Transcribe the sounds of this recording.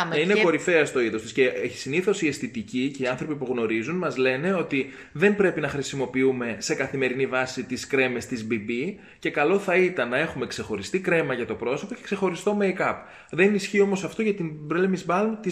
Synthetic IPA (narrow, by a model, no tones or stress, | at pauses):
ineko̞ɾife̞ɐst̪o̞iðo̞st̪isceei̥siniθo̞siest̪it̪icice̞iɐnθɾo̞pipuɣno̞ɾizunmɐzle̞ne̞o̞t̪i | ðe̞mbɾe̞pinɐxɾisimo̞piume̞se̞kɐθime̞ɾinivɐsit̪iskɾe̞me̞st̪izbibi | ce̞kɐlo̞θɐit̪ɐnːɐe̞xume̞kse̞xo̞ɾist̪ikɾe̞mɐʝɐt̪o̞pɾo̞so̞po̞ce̞̥kse̞xo̞ɾist̪o̞meikɐp | ðe̞nisçio̞mo̞sɐft̪o̞ʝɐt̪imbɾelemizbɐlmt̪i